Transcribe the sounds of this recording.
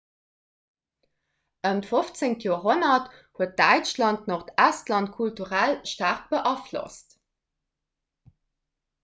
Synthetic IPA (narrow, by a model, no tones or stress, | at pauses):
ʔəntfoft͡seŋtjoːɐɦonɐthuət̚d̥æɪt͡ʃlɑntnoχtæstlɑntkʰultuʁælʃtaːʁk̚b̥əʔɑflo̰st